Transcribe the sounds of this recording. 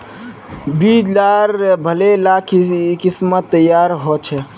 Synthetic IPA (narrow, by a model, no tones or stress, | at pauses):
bid͡ʒd͡ʒaɾbʱəlelakʰkismət̪ːəjaɾɦot͡ʃʰɛ